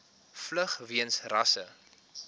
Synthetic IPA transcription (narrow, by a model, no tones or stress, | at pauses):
fləχviənsrɐsə